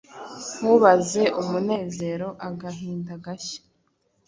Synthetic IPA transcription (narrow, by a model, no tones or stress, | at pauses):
huβaze̞ʔumune̞ːze̞ːɾo̞ʔaɡaɦiːndaɡaçḁ